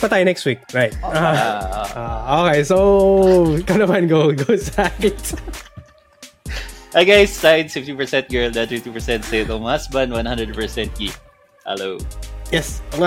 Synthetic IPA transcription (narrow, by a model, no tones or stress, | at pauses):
pɐt̪ajʊnɛkst̪wik̚ɹaɪt̪̚ː | okejsow | kɐnɐmanɡoʊɡowsad | ʔaɪɡajsːaɪd̪sfɪft̪ipɛ˞sɛ̃nt̪̚ɡɛɹld̪at̪ɾut̪upɛɹsɛ̃nt̪seɪt̪ɔmhasbɐ̃nd̪wãnhãnd̪ɹəd̪̚pɛɹsɛ̃nt̪̚ɡi | hɛ̰loʊjɛs